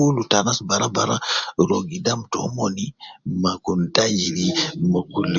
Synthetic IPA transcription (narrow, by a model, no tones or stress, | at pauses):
ulutanasbaɾabaɾaɾoɡidamtɔ̰mɔnimakuntad͡ʒinimakulːi